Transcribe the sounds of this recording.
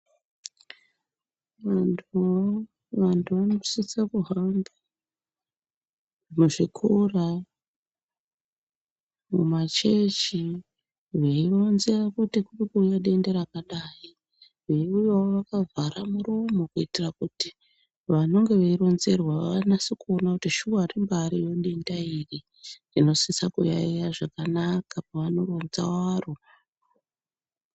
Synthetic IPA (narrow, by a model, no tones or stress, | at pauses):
ʋatʰu | ʋantʰuʋanosit͡sakuɦamba | noʐikʰura | mumat͡ʃe̞t͡ʃi | ʋeiʋonzerakutikuɓikuujaɗe̞ndeɾakaɗaːi | ʋeiujawoʋakavʱaɾamurumokuitirakuti | ʋano̞ŋɡe̞ʋeiro̞nze̞rwaanasikuo̞nakutiʃuarimbaɾijo̞ɗe̞ndairi | rino̞sisakujaijaʐakanakapaʋano̞ro̞nzawaːro